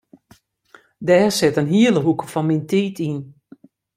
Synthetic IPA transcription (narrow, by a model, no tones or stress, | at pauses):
dɛːsɪtənɦiələɦukəfɔnmintiːtʰin